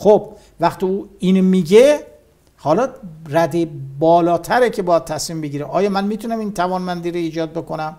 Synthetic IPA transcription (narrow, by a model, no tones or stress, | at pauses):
xob̥ | væχt̪iːuːiːnomiːɟe | hɒlɒːræd̪ebɒːlɒːt̪ʰæɾecʰe̞bɒjæd̪̚t̪ʰæsmiːmbeɟiːɾeʔɒːjɒːmænmiːt̪ʰunæmint̪ʰævɒːnmænd̪iːɾoiːd͡ʒɒːd̪̚be̞ko̞næm